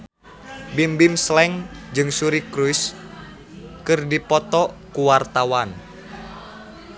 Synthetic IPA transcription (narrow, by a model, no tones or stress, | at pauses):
bimbimslɛŋd͡ʒɨŋsuɾikɾujs | kɨrdipɔt̪ɔkuwart̪awan